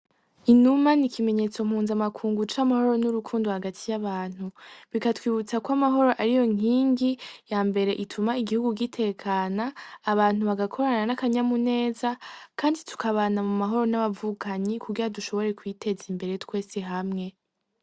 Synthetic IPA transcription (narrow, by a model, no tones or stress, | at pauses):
inumanikʰime̞ɲe̞t͡so̞m̥huːnzamakʰuːŋɡut͡ʃamaho̞ɾo̞nuɾukʰuːnduhaɡatʰijaβaːn̥huβikatwiːβut͡sakwamaɦo̞ɾo̞ʔaɾijo̞ŋ̥iːŋɡijaːmbe̞ɾe̞ʔitʰumaiɡihuɡuɡitʰe̞kʰaːnaːβaːn̥uβaɡakʰo̞ɾananakaɲamune̞ːzakʰaːnditʰu̥kaβaːnamumaɦo̞ɾo̞naβavukʰaɲikuɡiɾaduʃo̞βo̞ɾe̞kwitʰe̞zimbe̞ɾe̞twe̞ːseɦamŋe̞